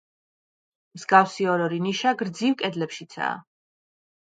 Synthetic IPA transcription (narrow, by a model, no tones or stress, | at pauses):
mzɡawsiɔɾɔɾiniʃaɡɾd̪ziwkʼɛd̪lɛpʃit̪sʰa̰ː